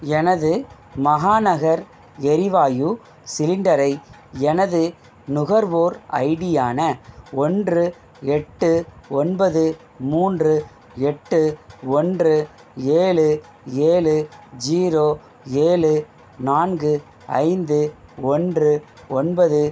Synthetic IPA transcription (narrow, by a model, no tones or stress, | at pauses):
ɛnɐðɯ | mɐɣaːnɐɣɐɾ | ɛɾɪʋaːju | sɪlɪɳɖɐɾɐɪ | ɛnɐðɯ | nʊɣɐɾʋoːɾɐ̰ɪɽɪjaːnɐɔndrɯ | ɛʈːɯɔnbɐðɯ | muːndrɯ | ɛʈːɯɔndrɯ | eːɭɯ | eːɭɯd͡ʒiːɾoː | eːɭɯ | naːnɡɯ | ɐ̰ɪnd̪ɯɔndrɯ | ɔnbɐðɯ